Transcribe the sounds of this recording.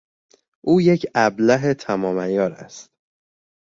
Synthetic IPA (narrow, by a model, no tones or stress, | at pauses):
ʔuːje̞cʰæblæɦet̪ʰæmɒːmæjɒːɾæ̰st̪